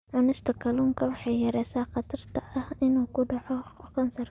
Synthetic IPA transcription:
ʕʊnɪst̪ʰɐkʰɐluːŋkʰɐwɑħɑjjɐɾɛːsaːqɑt̪ʰɐrt̪ʰɐɐhɪnuːkʰʊɖɑʕɔkʰɐnsɐr

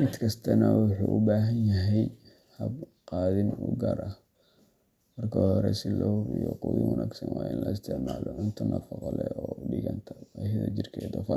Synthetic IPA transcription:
mɪd̪kʰɐst̪ʰɐnɐwʊħuʔʊbaːɦɐnjɐɦɛj | hɐb | qɑːðɪnuɡɐɾʔɐ | mɐrkʰɔɔɾɛsɪlɔːhʊɾɪjɔquwɪwɐnʔaːɡsɐnwɑːjɪnlɐɪst̪ʰɪʕmaːlɔʕʊnt̪ʰɐnʔɐfɑqɔlɛɔːɖɪɣɐnt̪ʰɐɐjɐðɐd͡ʒɪrkʰɛjd̪ɔfɐ

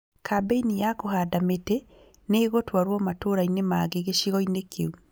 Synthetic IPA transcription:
kabeinijakohaːdametɛ | neːɣotwaɾwɔmatoːɾainemaːɣeɣeʃiɣɔinekʰeu

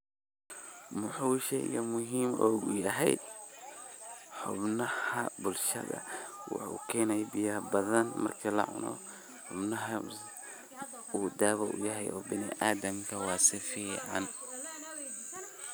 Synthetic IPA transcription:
mʊħuːʃɛjɣɐmʊɦiːmʔɔːɣʊjɐɦɛj̪ | ħʊbnɐhɐbʊlʃɐ̰ðɐ̰wɑ̰ħṵkʰɛːnɛjbɪjɐbɐðɐnmɐ̰rkʰilɐ̰ʕʊ̰nɔ̰ | ħʊbnɐɦɐ | uːd̪aːβɐʔʊ̰jɐɦɛjʔɔːbɪnɪ̰ʔaːd̪ɐmkʰɐwɑːsɪfiːʕɑn

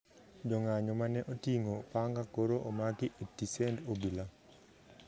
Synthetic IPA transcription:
d͡ʒɔŋaɲɔmanɛʔotiŋopaŋɡakoɾoʔomaɡɪʔetːisɛndobila

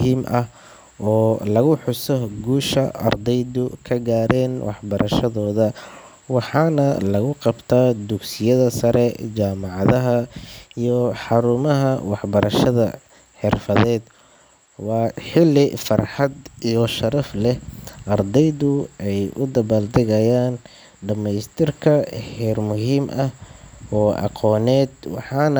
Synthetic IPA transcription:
hiːmʔɐh | ʔɔːlɐɣʊħʊsɔɡuːʃɐʔɐ̰rd̪ɛjðʊkʰɐɡaːɾɛːnwʔɑ̰ħbɐɾɐʃɐðɔːðɐ | wɑħɑːnɐlɐɣʊqɑbt̪ʰaːd̪ʊɡsɪjɐðɐsɐɾɛt͡ʃaːmɑʕɑðɐɦɐijɔħɑɾʊmɐɦɐwɑħbɐɾɐʃɐðɐ | ħɪrfɐðɛːd̪ | wɑːħɪlːɪfɑrħɑd̪ijɔʃɐɾɐflɛʔɐrd̪ɛjðʊɛjʔʊd̪ɐβald̪ɛɣɐjaːn | ɖɐmɛjst̪ʰɪrkʰɐhɛːrmʊɦiːmʔɐhɔːʔɑ̰qɔːnɛːd̪wɑħɑːn

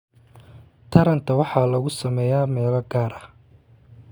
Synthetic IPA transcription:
t̪ʰɐɾɐnt̪ʰɐwɑħɑːlɐɣʊsɐmɛːjaːmɛːlɐɡaːɾɐh

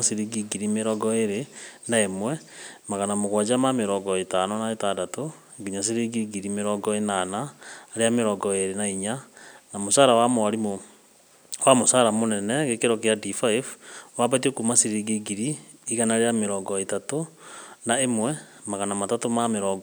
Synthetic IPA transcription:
siɾiɡiɡiɾimeɾɔɡɔeɾenaemwɛmaɣanamoɣwad͡ʒamameɾɔɡɔetanɔnaetadato | ɡiɲas̬eɾiːɡiɡiɾimeɾɔːɡɔenanaɾeameɾɔːɡɔeɾenaiɲanamosaːɾawamoaɾimo | wamosaɾamonɛnɛɣekeɾɔkeadifaifwabat̬iokumasiɾiɡiɡiɾiːɣanaɾejameɾɔːɡɔetatonaemwɛ | maɣanamatatomameɾɔɡ

